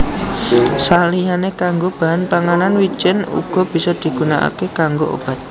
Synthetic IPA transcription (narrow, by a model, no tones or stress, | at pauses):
salianekaŋɡob̥aɦanpaŋananwi̥d͡ʒɪnṵɡ̥ɔ̤b̥i̤sɔd̪̥i̤ɡ̥unaʔa̰kekaŋɡoʔo̰b̥a̤t̪̚